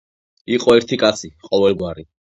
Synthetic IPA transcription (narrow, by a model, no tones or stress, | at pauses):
iqʼɔɛɾt̪ʰikʼat̪sʰiqʼɔvɛlˠɡwaɾi